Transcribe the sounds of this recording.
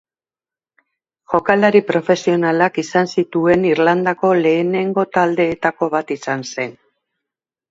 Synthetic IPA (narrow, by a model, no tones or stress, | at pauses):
ʝo̞kalaɾipɾo̞fe̞sio̞nalakisansit̪ue̞niɾland̪ako̞le̞ːne̞ŋɡo̞t̪ald̪e̞ːt̪ako̞βat̪isanse̞n